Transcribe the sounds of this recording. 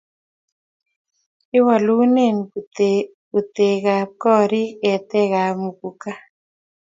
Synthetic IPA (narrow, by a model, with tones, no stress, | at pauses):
ɪ˦wa˨lu˦ne˦˨n | u˨t̪e˨ɣa˨kɔ˦ɾi˦ɛ˨t̪ɛ˦ɣa˨mu˨ku˨ka˦